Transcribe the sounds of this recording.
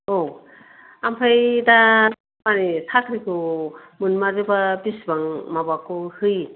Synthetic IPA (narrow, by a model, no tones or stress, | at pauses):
o | ampʰajda | manisʰakʰɾikʰumɯnmazɯbabisbaŋmabakuhɯj